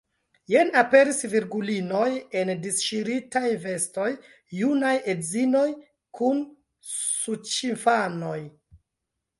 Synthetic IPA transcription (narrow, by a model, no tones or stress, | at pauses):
jenape̞ɾisviɾɡulino̞je̞ndisʃiɾitajve̞stojː | unajedzino̞j | kʰun | sut͡ʃinfano̞j